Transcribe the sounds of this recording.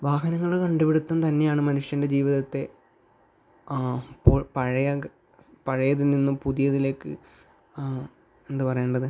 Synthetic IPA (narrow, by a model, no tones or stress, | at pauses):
ʋaːɦɐnɐŋːɐɭkɐɳɖupeɽut̪ːɐnt̪ɐnːe̞jaːɳɨmɐnuʂjɐnde̞d͡ʑiːʋiðɐt̪ːe̞ | popɐɻɐjɐ | pɐɻɐjɐðɨninːumpuðijɐðile̞ːkːɨ̰ | e̞nd̪ɨpɐrɐjeɳɖɐðɨ